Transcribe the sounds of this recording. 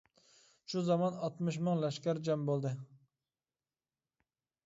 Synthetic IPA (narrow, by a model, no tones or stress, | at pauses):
ʃuzɑmɑnɑt̪mɨʃ̬mɨŋlɛʃkʲæɾd͡ʒɛmbolˠd̪ɨ